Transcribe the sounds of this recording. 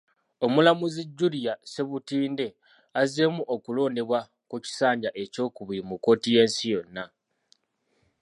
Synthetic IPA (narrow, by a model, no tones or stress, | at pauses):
o̞mulamuziɟːulijase̞βutiːnde̞ | aze̞muʔokulo̞ːne̞βwa | kuci̥saːɲɟaʔe̞co̞ːkuβiɾimuko̞ːtije̞ːnsijo̞nːa